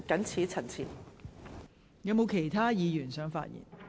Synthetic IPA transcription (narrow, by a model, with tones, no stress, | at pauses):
kɐ˨˥nt͡sʰiː˨˥t͡sʰɐ˨˩nt͡sʰiː˨˩n | jɐ˨˧˥wmo˨˧wkʰe˨˩jt̪ʰaː˥jiː˨˧jyː˨˩nsœː˨˥ŋfa̰ː˧t̚jḭ˨˩n